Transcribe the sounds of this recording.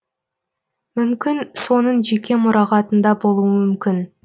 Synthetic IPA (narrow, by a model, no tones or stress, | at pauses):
mʏmkʲɪnso̞nəɴʒe̞kʲe̞mʊɾɑʁɑt̪ənd̪ɑbo̞lˠuəmʏmkʲɪn